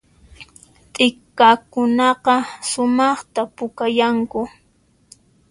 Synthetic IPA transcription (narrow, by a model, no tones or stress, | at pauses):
t̪ʼɪkːakʊnɑqɑsʊmɑχt̪apʊkajaŋkʊ